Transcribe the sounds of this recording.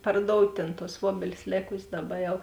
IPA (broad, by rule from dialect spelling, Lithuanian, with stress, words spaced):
pɐrˈdoːʊtʲ tʲeːn tuɔs ˈʋuɔbʲɛlʲɪs ˈlʲeːkʊsʲeːs ˈdɑːˌbɐ ˈjɛʊ